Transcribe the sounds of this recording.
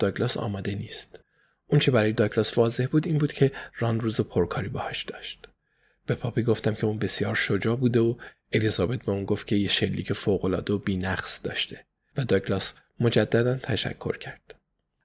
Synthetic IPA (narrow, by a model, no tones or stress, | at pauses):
d̪̥ɒklɒsɒ̰ːmɒːd̪e̞niːst̪ | ʔunt͡ʃʰe̞bæɾɒːje̞d̪ɒːklɒsvɒːze̞hbuːd̪iːnbuːd̪cʰe̞ɾɒnruːzepʰoɾkʰɒːɾiːbɒhɒʃd̪̥ɒːʃt̪ | b̥e̞pʰɒːpʰiɡo̞ft̪æmcʰe̞uːnbe̞sjɒːɾʃod͡ʒɒːbuːd̪eo | e̞lizɒːbe̞t̪̚beuːnɡo̞ft̪cʰʲe̞jeʃe̞lːiːcʰe̞foɣo̞lɒːd̪eobiːnæχsd̪̥ɒ̰ːʃt̪ʰe̞ | væd̪ɒːklɒs | mo̞d͡ʒæd̪ːæd̪ænt̪ʰæʃæ̰kʰːo̞̰ɾcʰæɾd̪̥